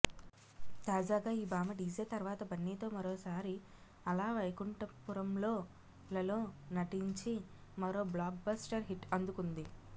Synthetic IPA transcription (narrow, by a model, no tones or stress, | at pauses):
t̪aːd͡ʒaːɡaːiːbaːmɐɖiːd͡ʒeːt̪ɐɾʋaːt̪ɐbɐnːiːt̪o̞ːmɐɾoːsaːɾi | ɐlaːʋɐjkuɳʈɐpuɾɐmlo̞ː | lɐlo̞ːnɐʈiɲt͡ʃimɐɾo̞ːblaːk̚bɐsʈɐɾɦiʈɐnd̪ukund̪i